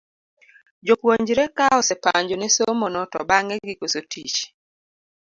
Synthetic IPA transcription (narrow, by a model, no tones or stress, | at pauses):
d͡ʒokwoɲd͡ʒɾɛkaɔsɛpaɲd͡ʒonesomonɔtɔbaŋɛɡikosotʰit͡ʃ